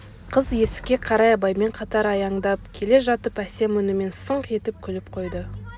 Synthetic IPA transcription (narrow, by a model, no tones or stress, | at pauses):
qʰəzje̞sɪ̥kʲe̞qʰɑɾɑjɑbɑjme̞ɴqʰɑt̪ɑɾɑjɑɴd̪ɑp̚kʲʰe̞le̞ʒɑt̪əpæse̞mʏnɪme̞nsəɴqʰe̞t̪ɪp̚kʲʰʏlɪp̚qʰo̞jd̪ə